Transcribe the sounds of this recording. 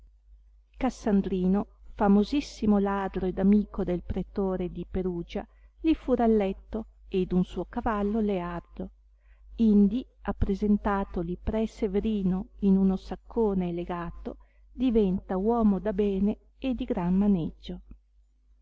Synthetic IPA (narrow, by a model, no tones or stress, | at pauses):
kasːand̪ɾiːnofamozisːimolaːd̪ɾoed̪amiːkod̪elpɾet̪oːɾed̪ipeɾuːd͡ʒa̰ | lifuɾalːɛt̪ːoed̪unsuːokavalːoleard̪o | ind̪iapːɾezent̪aːt̪olipɾɛseveɾiːnoinunosakʰːoːneːleɡaːt̪o | d̪ivɛnt̪awɔːmod̪abɛːneː | d̪ːiɡɾanmaned͡ʒːo